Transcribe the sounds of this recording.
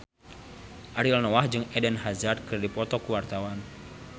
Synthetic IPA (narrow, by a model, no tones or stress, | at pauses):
ʔaɾilnɔwahd͡ʒɨŋɛdɛnɦazard̪̚kərdipɔt̪ɔkuwart̪awan